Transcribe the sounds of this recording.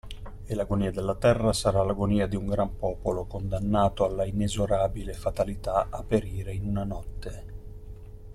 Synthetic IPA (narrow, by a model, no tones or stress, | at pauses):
elaɡoniːad̪elːat̪ɛrːasaɾalaɡoniːad̪iuŋɡɾampɔːpolokond̪anːaːt̪oalːainezoɾaːbilefat̪alit̪aapːeɾiːɾeinunanɔt̪ːe